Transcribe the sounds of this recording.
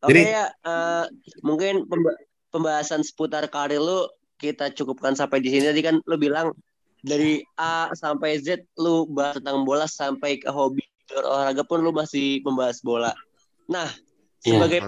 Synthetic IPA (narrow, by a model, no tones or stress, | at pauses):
okɛjaəmuŋkɪnpəmb | pəmbaɦasansə̥put̪arkaɾilʊ | kit̪at͡ʃukup̚kansampajdisinit̪adikanlʊbilaŋ | daɾiasampajzɛt̪̚lʊbaɦast̪ənt̪aŋbolasampajkəɦobi | dɔro̰lahɾaɡapʊnlʊmasɪhməmbaɦasbola | nah | səbaɡaj